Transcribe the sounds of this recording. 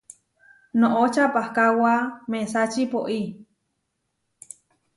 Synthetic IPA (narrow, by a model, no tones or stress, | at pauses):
nõʔot͡ʃapahkawamẽsat͡ʃipoʔi